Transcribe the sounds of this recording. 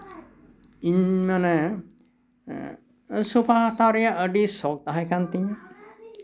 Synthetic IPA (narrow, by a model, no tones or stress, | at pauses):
iɲmane | supʰaɦat̪aɾijaəɖisɔk̚t̪aɦɛkant̪iɲ